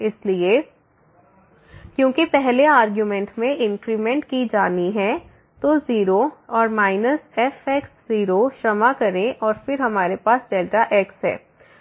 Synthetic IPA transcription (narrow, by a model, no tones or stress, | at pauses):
ɪslie | kjõːkipɛɦleaːɾɡjumɛ̃ɳʈmẽʔɪ̃ŋkɾimɛ̃ɳʈkid͡ʒaːniɦɛ | t̪oziːɾoɔːɾmaːɪnəsɛfɛːksziːɾoʃɐmakɐɾẽʔɔːɾfɪɾɦɐmaːɾepaːsɖeːlʈaʔɛːksɦɛ̰ː